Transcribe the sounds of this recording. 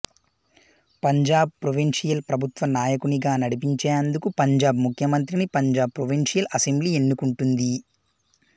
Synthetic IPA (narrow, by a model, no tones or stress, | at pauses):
pɐɲd͡ʒaːb̚pɾoʋinʂijɐlpɾɐbʱut̪ʋɐnaːjɐkuniɡaːnɐɽipiɲt͡ʃeːɐnd̪ukupɐɲd͡ʒaːbmukʰjɐmɐnt̪ɾinipɐɲd͡ʒaːb̚pɾoʋinʂijɐlʔɐsembliːe̞nːukuɳʈund̪i